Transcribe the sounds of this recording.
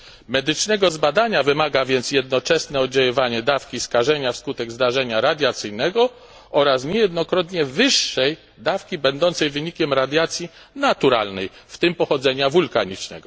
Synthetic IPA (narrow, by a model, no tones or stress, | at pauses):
mɛd̪ɘt͡ʂnɛɡɔzbad̪aɲavɘmaɡavʲjɛnt̪sjɛd̪nɔt͡ʂɛsnɛɔd̪̚d͡ʑawɔvaɲɛd̪afkʲiskaʐɛɲafskut̪ɛɡzd̪aʐɛɲaɾad̪ʲjat̪sɘjnɛɡɔ | ɔɾasɲɛjɛd̪nɔkɾɔt̪ɲɛvɘʂːɛj | d̪afkʲibɛnd̪ɔnt̪sɛjvɘɲikʲɛmɾad̪ʲjat̪sʲji | nat̪uɾa̰lnɛjft̪ɘmpɔxɔd̪zɛɲavulkaɲit͡ʂnɛ̰ɡɔ